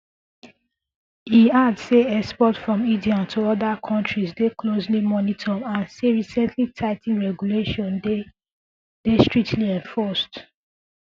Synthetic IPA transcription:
hiadseɛspɔtfɹɔ̃midiɔ̃ntʰoɔdakʰɔ̃ntɹizdeklozlimɔnitʰɔ̃mãnseɹisɛ̃ntʰlitʰaɪtĩɹɛɡuleʃɔ̃nde | d̥estɹik̚tʰliɛ̃nfɔst

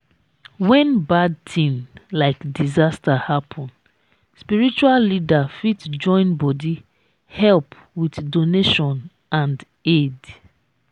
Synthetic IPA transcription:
wɛ̃nbad̚tʰĩmlaɪkdizastahapʰɔ̃n | spiɹit͡ʃuallidafitd͡ʒɔ̃ɪ̃nbɔdi | hɛlp | witdoneʃɔ̃n | ãnd | ed

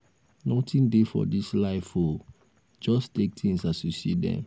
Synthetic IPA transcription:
nɔtĩndefɔ̰dislaɪfo | d͡ʒɔstek̚tʰĩŋsasusḭdɛ̰̃n

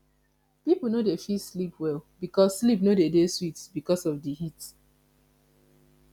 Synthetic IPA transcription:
pipl̩ˠnodefislipʰwɛlˠbikɔsːlip̚nodedeswitsbikɔsɔfdəhit

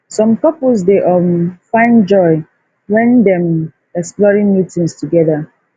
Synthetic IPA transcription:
sɔ̃mkɔpəls̬deʔɔmfãɪ̃nd͡ʒɔɪ | wɛ̃ndɛ̃m | ɛksplɔɹĩŋmjutĩŋstʰuɡɛða

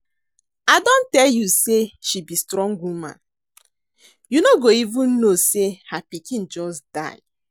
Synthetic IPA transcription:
adon̩tɛljuseʃibistɾɔ̃ŋɡumã̰n | junoɡoivũn̩nosehapikĩn̩d͡ʒɔsda̰ɪ

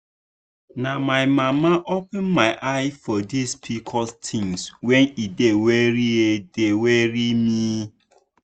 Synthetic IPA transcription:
namaɪmamaʔopɛ̃nmaɪʔaɪfɔdispʰikʰɔstʰĩŋswɛnidewɛɾiedeweɾimi

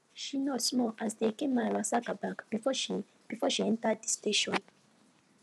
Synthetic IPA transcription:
ʃinɔtsmɔʔasðekẽmaɹasakabakbifʃi | b̥ifɔʃiɛ̃ntəd̚ðisteʃɔ̃n

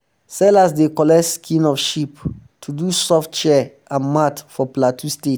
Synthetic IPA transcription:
sɛlasdekɔlɛskʰĩnɔfʃiptʰudusɔftt͡ʃɛ | ãnmatfɔplatʰustet

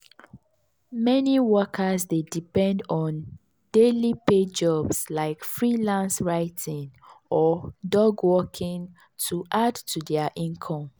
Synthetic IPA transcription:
mɛniwɔkʰasdedipɛ̃ndɔ̃n | d̥eliped͡ʒɔbslaɪkfɹilãnsɹaɪtʰĩŋɔdɔɡwɔkʰĩŋ | tʰuʔadtʰudɛəʔĩnkʰɔ̃m

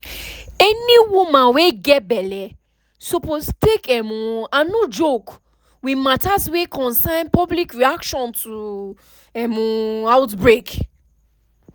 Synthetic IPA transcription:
ɛniwumãweɡɛbɛlɛ | sopostekɛmũanud͡ʒok | wimatatwekɔ̃nsãɪ̃npɔblikɹiakʃɔ̃ntʰu | ɛmũaʊtbɹek

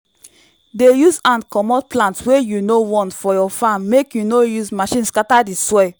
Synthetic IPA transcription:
dejuzãnkɔmɔt̚plãntwejunowɔ̃ntfɔjɔfãnmekjunojuzmaʃĩnskatadiswɛ

